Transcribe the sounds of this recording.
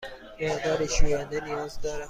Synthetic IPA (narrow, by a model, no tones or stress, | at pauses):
eʁd̪ɒːɾiʃujænd̪enijɒːzd̪ɒːɾæ